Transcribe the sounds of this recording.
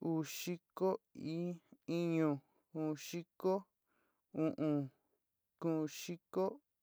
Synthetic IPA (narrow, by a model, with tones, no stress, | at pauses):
uː˨ʃi˦ko˦i˦i˦ɲõ˧˨ | ũ˨ʃi˦ko˦ | ũ˧ʔũ˧˨ | kũ˧˨˧ʃi˦ko˦